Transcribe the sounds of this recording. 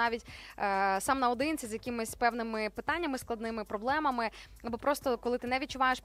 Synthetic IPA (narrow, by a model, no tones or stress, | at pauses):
ɑʋʲitʲː | sɑmnɐɔd̪ɪnt͡sʲizʲjɐkʲɪmɪsʲpɛwnɪmɪpɪt̪ɑnʲːɐmɪsklˠɐd̪nɪmɪpɾɔblˠɛmɐmɪɐbɔpɾɔst̪ɔkɔlˠɪt̪ɪnɛʋʲit̚t͡ʃʊʋɑjeʃp